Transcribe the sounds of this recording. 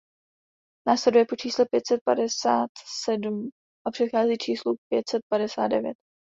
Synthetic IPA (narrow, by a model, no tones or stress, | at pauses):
naːslɛdujɛpot͡ʃiːslɛpjɛt̪sɛt̪̚padɛsaːt̪sɛdum | ʔapr̥ɛt̪xaːziːt͡ʃʰiːslupjɛt̪sɛt̪̚padɛsaːt̪̚dɛvjɛt̪